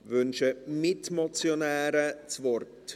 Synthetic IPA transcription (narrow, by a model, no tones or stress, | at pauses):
vʏnʃəmɪtmɔt͡sjonɛːɾət͡svɔrt